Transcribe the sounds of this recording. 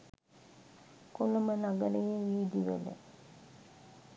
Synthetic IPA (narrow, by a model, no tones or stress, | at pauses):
kulomənaɡəɾəjeʋiːd̪iʋḛlə̰